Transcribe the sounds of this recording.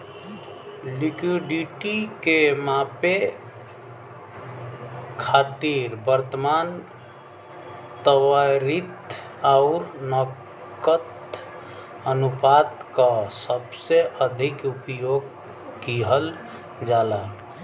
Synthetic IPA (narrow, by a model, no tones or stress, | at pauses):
likwiɖiʈikemape | kʰat̪iɾbəɾt̪əman | t̪əwaɾit̪ | aʊɾnə | kət̪ | ənupat̪kasəbseʔəd̪ʱikupjoɡ | kiɦəl | d͡ʒalak